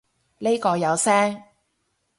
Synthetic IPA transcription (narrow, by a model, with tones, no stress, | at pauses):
le˥kɔː˧jɐ˨˧wsɛː˥ŋ